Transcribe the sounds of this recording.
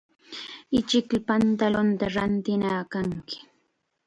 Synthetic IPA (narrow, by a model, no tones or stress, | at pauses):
ɪt͡ʃɪklapant̪alʊnt̪aɾant̪ɪnaːkaŋkɪ̥